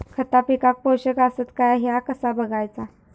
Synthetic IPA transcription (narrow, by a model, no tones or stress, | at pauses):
kʰət̪apikak̚powɕəkasət̪kajaɦjakəsabəɡajt͡sa